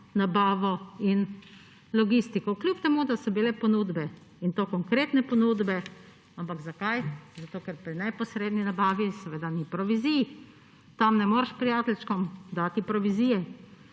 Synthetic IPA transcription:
nabaːʋɔin | lɔɡist̪ikɔklʲjupt̪ɛmud̪asɔbilɛpɔnuːd̪bɛ | int̪okɔŋkɾeːt̪nɛpɔnuːd̪bɛ | ampaɡzakajzat̪oːkɛɾpɾinɛpɔsɾeːd̪ninabaːʋisɛʋed̪anipɾɔʋizij | t̪amnɛmoːɾʃpɾijaːt̪ɛlʲʃkɔmd̪at̪ipɾɔʋizijɛ

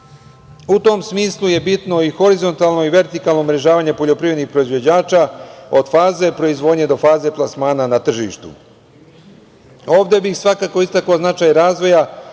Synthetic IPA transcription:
ut̪o̞msmiːslˠuje̞bit̪no̞ixo̞ɾizo̞nt̪alˠno̞iʋe̞ɾt̪ikalˠnomɾe̞ʒaːʋaːɲe̞po̞ʎo̞pɾiːʋɾed̪nixpɾo̞izʋo̞d͡ʑaːt͡ʃao̞d̪̥faːze̞pɾo̞izʋo̞ːd̪ɲe̞d̪o̞faːze̞plˠasmaːnanat̪r̩ʒḭːʃt̪ṵ | o̞ːʋd̪e̞bixsʋakaːko̞ist̪akoznat͡ʃaːjɾaːzʋo̞ja

